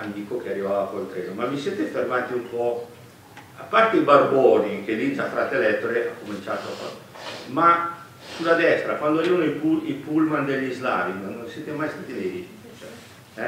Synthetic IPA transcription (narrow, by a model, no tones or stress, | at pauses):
mid̪iːkok̟earːivaːvakoilt̪ɾeːnomamːiseːt̪efermaːt̪iumpɔ | apːart̪eibarbɔːnik̟elit̪afɾat̪ːelɛt̪ːoɾeʔakːomint͡ʃaːt̪oaka̰ | ma | sulːad̪ɛst̪ɾakwand̪oaɾivanoipuipulmand̪eʎːizla̰ːviŋnːonsjɛːt̪emajst̪aːt̪ilevi | t͡ʃɛ | ɛ